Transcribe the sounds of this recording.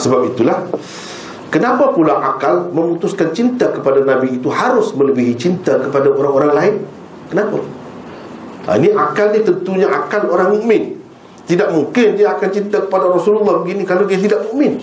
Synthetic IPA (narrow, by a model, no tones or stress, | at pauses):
səbap̚it̪ulah | kənapapulaʔakalmə̃mut̪ʊskant͡ʃint̪akəpadanãbiːt̪uhaɾʊsmə̃ləbiɦit͡ʃint̪akəpadaʔoɾaŋoɾaŋlaɪn | kənapa | ḭniʔakalnit̪ənt̪uɲaʔakaloɾaŋmuʔmɪn | t̪idaʔ̚muŋkɪndiaakant͡ʃint̪akə̥padaɾɔsululːɑhbəɡinikalodiat̪̬idaʔ̚muʔmɪn